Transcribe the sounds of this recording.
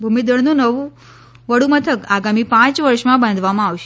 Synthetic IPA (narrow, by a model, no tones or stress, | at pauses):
bʱumid̪əɽnũnəʋũ | ʋəɽumət̪ʰəkaɡamipãt͡ʃʋəɾʃmãbãnd̪ʱʋamãaʋʃ